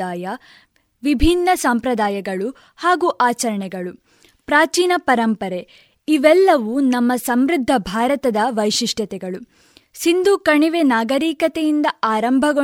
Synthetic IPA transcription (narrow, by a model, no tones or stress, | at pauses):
aːjɐ | ʋibʱinːɐsɐmpɾɐd̪aːjɐɡɐɭu | haːɡuʔaːt͡ʃɐɾɐɳɛɡɐɭu | pɾaːt͡ʃiːnɐpɐɾɐmpɐɾe | iʋɛlːɐʋunɐmːɐsɐmɾid̪ʱːɐbʱaːɾɐt̪ɐd̪ɐʋɐjʂiʂʈjɐt̪ɛɡɐɭu | sind̪uːkɐɳiʋenaːɡɐɾiːkɐt̪ɛjind̪ɐaːɾɐmbʱɐɡo